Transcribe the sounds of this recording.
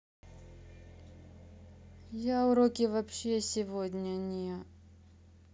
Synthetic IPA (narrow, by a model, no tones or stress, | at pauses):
jaʊɾokʲɪvɐpɕːesʲɪvodʲnʲənʲɪə